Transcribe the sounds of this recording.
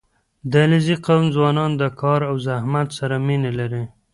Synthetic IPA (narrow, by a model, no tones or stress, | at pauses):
d̪əlɪziqawnzwɑnɑnd̪əkʰɑɾawzahmat̪saɾaminelaɾi